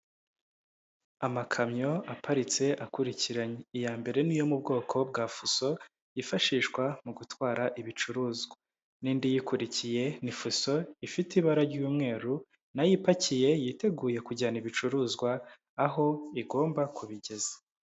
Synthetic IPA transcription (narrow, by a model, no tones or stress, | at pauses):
amakʰamɲo̞apʰaɾit͡se̞ʔakuɾiciɾaɲeijaːmbe̞ɾe̞nijo̞mub̚ɡo̞ːkʰo̞b̚ɡaːfuso̞ | ifaʃiːʃwamuɡutwaːɾaʔiβit͡ʃuɾuːzɡwa | niːndijikuɾicije̞nifuso̞ifitiβaɾaɾɟuːmŋe̞ːɾu | najipacije̞jite̞ɡuːje̞kuɟaniβit͡ʃuɾuːzɡwaː | ɦo̞iɡo̞ːmbakuβiɟe̞zḁ